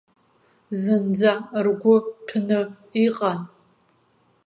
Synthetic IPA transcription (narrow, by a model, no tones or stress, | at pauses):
zɨnd͡zarɡʷʊpʰnɨ | iqʼan